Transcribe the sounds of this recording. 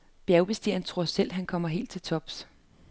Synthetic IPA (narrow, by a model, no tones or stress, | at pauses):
b̥jæʊb̥e̝sd̥iɐnət͡sʰʁo̝ɐ̰sel̰ɦænkʰɒ̽m̰ɐɦe̝̰ːld̥̚t͡sʰe̝lt͡sʰɒ̽b̥s